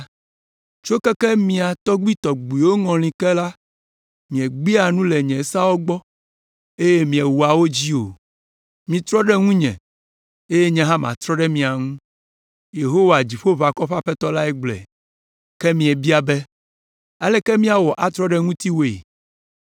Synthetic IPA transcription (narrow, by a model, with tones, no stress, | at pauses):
t͡ʃo˦kɛ˦kɛ˦mĩ˨a˨t̪ɔ˦ɡ͡bi˦t̪ɔ˨ɡ͡bu˨i˨wo˦ŋɔ̃˨l̃ĩ˨kɛ˦la˦ | mĩ˨ɛ˨ɡ͡bi˦a˨nũ˦lɛ˨ɲɛ̃˨˦sa˦wo˦ɡ͡bɔ˦ | e˦je˦mĩ˨ɛ˨wu˨a˨wo˦d͡ʑi˦o˨ | mĩ˨t̪ɾɔ˦ɖɛ˦ŋũ˦ɲɛ̃˨ | e˦je˦ɲɛ̃˨ɦã˦mã̰˨t̪ɾɔ˦ɖɛ˦mĩ˨a˨ŋũ˦ | je˨ɦo˦wa˨d͡ʑi˨ɸo˦va˨kɔ˦ɸa˦ɸɛ˦t̪ɔ˦la˦ɛ˦ɡ͡blɛ̰˨ | kɛ˦mĩ˨ɛ˨bi˦a˨bɛ˦ | a˦lɛ˦kɛ˦mĩ˦a˨wɔ˨ʔa˨t̪ɾɔ˦ɖɛ˦ŋũ˦t̪i˦wo˨ḛ˨